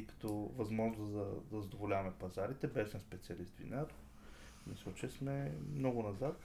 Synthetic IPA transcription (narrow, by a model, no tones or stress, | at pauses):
kɐ̥t̪ɔvɐzmɔʒnozd̪ɐd̪ɐzɐd̪ovolʲavɐmɛpɐzaɾit̪ɛbɛʃnɛspɛt̪siɐlist̪vḭnaɾ | nɛsɔt͡ʃɛsmɛmnɔɡʊnɐzat̪